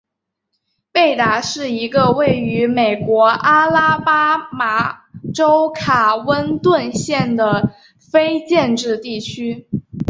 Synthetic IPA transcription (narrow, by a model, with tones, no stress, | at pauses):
pe˥˩ɪt̪a˧˥ʂɻ̩˥˩i˧˥ɡə˧we˥˩ɪy˧˥me˨˩ɪkwɔ˧˥ʔa˥la˥pa˥ma˧˥ʈ͡ʂo˥ʊkʰa˨˩wə˥nt̪wə˥˧nɕjɛ˥˩nd̪ə˩ | fe˥ɪt͡ɕjɛ˥˧nʈ͡ʂɻ̩˥˧t̪i˥˩t͡ɕʰy˥